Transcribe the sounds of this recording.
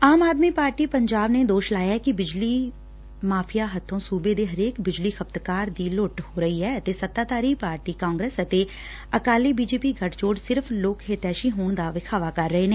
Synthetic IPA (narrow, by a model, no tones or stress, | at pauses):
aːmaːd̪miːpaːɾʈiːpəɲd͡ʒaːbned̪oːʃlaːjaɛkibɪd͡ʒliː | maːpʰijaɦət̪ʰːõːsuːbed̪eːɦəɾeːkbɪd͡ʒliːxʰəb̚t̪kaːɾd̪iːloʈhoːɾəɦiɦɛːət̪esət̪ːaːt̪aːɾipaːɾʈiːkãːŋɡɾeːsət̪e | əkaːliːbiːd͡ʒeːpiɡʱəʈt͡ʃoːɖsɪɾpʰloːkɦet̪ɛːʃiɦoːɳ̃d̪aːʋɪkʰaːʋakɐɾːəɦeːneː